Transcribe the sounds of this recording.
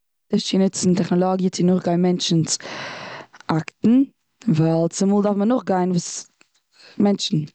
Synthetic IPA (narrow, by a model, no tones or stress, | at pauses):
dɪt͡ʃinət͡sɪntɛχnɔlˠɔɡjət͡sɪnʊχɡaɪnmɛnt͡ʃn̩s | aktn̩ | valˠt͡sɪmuːlˠdafmənʊχɡaɪnvuːs | mɛnt͡ʃn̩